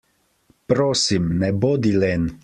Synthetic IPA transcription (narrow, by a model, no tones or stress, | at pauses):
pɾoːsimnɛboːd̪ilɛn